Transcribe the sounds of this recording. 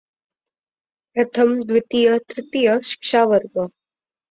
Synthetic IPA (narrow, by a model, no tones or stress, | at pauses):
pɾɐt̪ʰɐmd̪ʋɪt̪ijɐt̪ɾɪt̪ijɐʃi̥kʂaːʋəɾɡɐ